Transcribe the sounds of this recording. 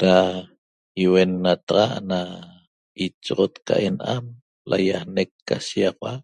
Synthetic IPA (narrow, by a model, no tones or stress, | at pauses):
ɾa | iwenːat̪ɑʁɑʔna | it͡ʃʁot̪ka̰ʔenʔam | lʔa̰jahnekːaʃiɑqwaʔ